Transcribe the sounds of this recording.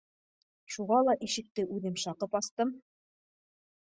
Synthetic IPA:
ʃuʁɑlˠɑʔiʃɘ̆k̚t̪ɘʔʉðɘmʃɑqɤpɑst̪ɤm

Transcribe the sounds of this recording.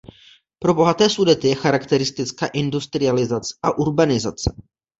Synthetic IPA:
pɾo̞bo̞ɦat̪ɛːsudɛt̪ɪjɛxaɾakt̪ɛɾɪst̪ɪt͡skaːʔɪndust̪ɾɪalɪzat͡sɛ̥ʔaʔuɾbanɪzat͡sɛ

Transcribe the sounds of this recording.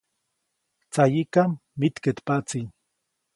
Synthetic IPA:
t͡sajikamːit̪ket̪pat͡si

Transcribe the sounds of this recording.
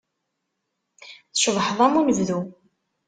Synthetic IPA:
θəʃðˤħəðˤæmunəvðu

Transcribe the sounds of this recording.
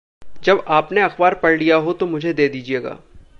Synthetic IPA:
d͡ʒɐbaːpneɐxbaːɾpɐɽlijaɦot̪omʊd͡ʒʱed̪eːd̪iːd͡ʒieːɡa̰ː

